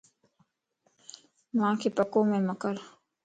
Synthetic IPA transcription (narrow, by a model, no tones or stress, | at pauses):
mãːkʰepəkõːmẽməkəɾ